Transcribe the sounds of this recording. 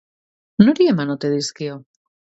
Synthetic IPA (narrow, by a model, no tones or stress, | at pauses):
nuɾiemanot̪eðiskio